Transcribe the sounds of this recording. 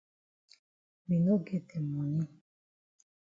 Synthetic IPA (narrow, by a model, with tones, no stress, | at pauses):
mi˨no˦ɡe˦te˨mu˨ɲi˦